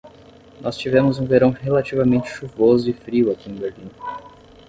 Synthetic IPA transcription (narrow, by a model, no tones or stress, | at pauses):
nʔɔst͡ʃivɛ̃mʊzũveɾɐ̃w̃ɦelat͡ʃivɐmẽnt͡ʃɪ̥ʃuvozʊɪfɾiwakĩĩbeɾlĩnʊ